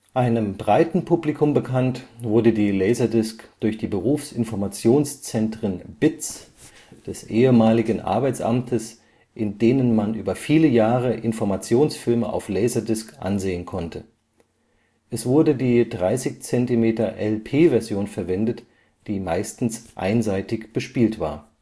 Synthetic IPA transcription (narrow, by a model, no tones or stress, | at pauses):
ʔaɪnəmbʁaɪtn̩pʰuplikʰʊmbəkʰantv̥ʊɐdədiːlɛɪzɐdɪskd̥ʊɐçd̥iːbəʁuːfsʔɪnfɔɐmat͡sjoːnst͡sɛntʁ̥ənb̥ɪt͡s | d̥ɛsʔeːəmaːlɪɡn̩ʔa̰ɐbaɪt͡sʔa̰mtʰəs | ʔɪndeːnənmanʔyːbɐfiːləjaːʁ̞əʔɪnfɔɐmat͡sjoːnsfɪlməʔa̰ʊflɛɪzɐdɪskʔa̰nzeːənkʰɔntʰə | ʔɛsv̥ʊɐdədiːdʁaɪsɪçt͡sɛntimeːtɐʔɛlpʰeːvɛɐzjoːnfɛɐvɛndət | d̥iːmaɪstn̩sʔa̰ɪnzaɪtɪçb̥əʃpiːltv̥a̰ːɐ